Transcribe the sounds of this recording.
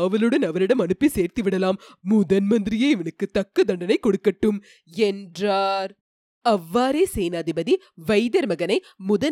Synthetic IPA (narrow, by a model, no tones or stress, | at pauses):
ɐʋɐlɯɽɐnɐʋɐɾɪɽɐmɐnɯpːiseːɾt̪iʋɪɽɐlaːmːʊðɐnmɐnd̪ɪɾɪjeːɪʋɐnɯkːɯt̪ɐkːɐd̪ɐɳɖɐnɐɪkːɔɽɯkːɐʈːɯm | ɛndraːɾ | ɐʋːaːɾeːseːnaːðɪbɐði | ʋɐɪðɐɾmɐɣɐnɐɪ | mʊðɐn